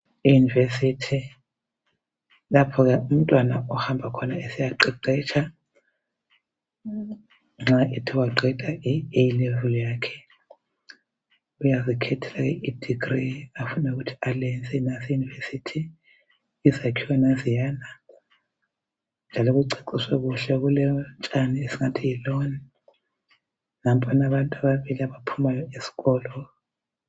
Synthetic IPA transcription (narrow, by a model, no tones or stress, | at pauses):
ijunivesitʰi | lapʰɔk̬ɛum̩tʼwanaɔhambʱakʰɔnaesijaǃɛǃɛt͡ʃʰa | ŋ͡ǁaʔitʰiwaǃɛtʼaʔijilɛvuljaːkʰɛ̥ | ujazikʰɛtʰɛlak̬ɛʔid̥ʱiɡriafunauɣutʰi̥alɛnd͡zʱʼɛnasijunivesitʰiː | zakʰiwanazijaːna | nd͡ʒʱalɔɣuǀeǀiswɛɣuɬɛɣulɛnt͡ʃʼaniesiŋatʰijilɔni | nam̩pʼanaβantʼaβaβiliaβapʰumajɔesi̥ɣɔːlɔ